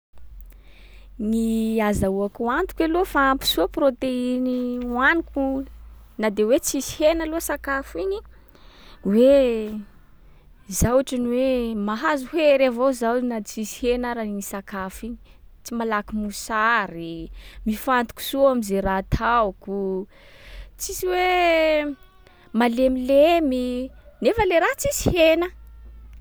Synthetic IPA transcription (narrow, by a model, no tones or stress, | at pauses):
niazauakuant̪u̥kalofaampi̥suəprot̪einianiku | nad̪ewet͡sisi̥henaloəsakafini | we | zawaʈ͡ʂaniwemaɦazuheɾavowzanat͡sisihenaɾainisakafini̥t͡simalakimusaɾimifant̪u̥ku̥suamizeɾat̪ʰawku | t͡siziwe | malemileminefəleɾat͡sizi̥henə